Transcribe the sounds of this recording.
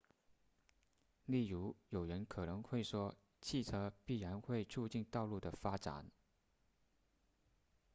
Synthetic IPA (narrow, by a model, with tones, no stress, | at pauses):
li˥˩ɻu˧˥jo˨˩ʊɻə˧˥nkʰɤ˨˩nɤ˧˥ŋxwe˥˩ɪʂwɔ˥ | t͡ɕʰi˥˩t͡sʰɤ˥pi˥˩ɻa˧˥nxwe˥˧ɪt͡sʰu˥˧t͡ɕi˥˧nt̪ɑ˥˧ʊlu˥˩d̪ə˩fa˥ʈ͡ʂa̰˨˩˦n